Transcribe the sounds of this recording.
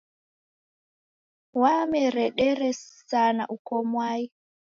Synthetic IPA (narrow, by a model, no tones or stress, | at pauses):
wamɛɾɛɗɛɾɛsana̰ʔukɔmwaji